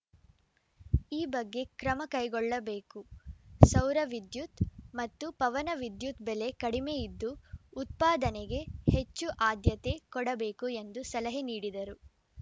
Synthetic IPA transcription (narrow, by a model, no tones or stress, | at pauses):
iːbɐɡːe̞kɾɐmɐkɐjɡɔɭːɐbe̞ːkusɐwɾɐʋid̪jut̪mɐt̪ːupɐʋɐnɐʋid̪jut̪bele̞kɐɽime̞jid̪ːuːt̪̚paːd̪ɐneɡe̞het͡ʃːuʔaːd̪jɐt̪e̞kɔɽɐbe̞ːkue̞nd̪usɐlɐɦeniːɽid̪ɐɾu